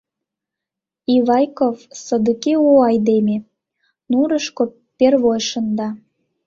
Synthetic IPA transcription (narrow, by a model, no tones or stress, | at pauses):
iβɑjkovsɤd̪əkeuɑjd̪eme | nuɾəʃko | perβojʃə̆nd̪ɑ